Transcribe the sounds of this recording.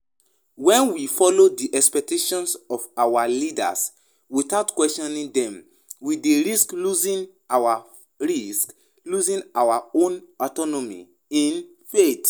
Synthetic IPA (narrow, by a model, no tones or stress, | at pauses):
wɛ̃nwifɔlodiʔɛkspɛk̚teʃɔ̃nsɔfawalida̰s | witaʊtkwɛstɔ̃nĩndɛ̃m | wideɹiskluzĩn | awa | ɹisk | luzĩnawaõnɔtɔnomḭ | ĩn | fet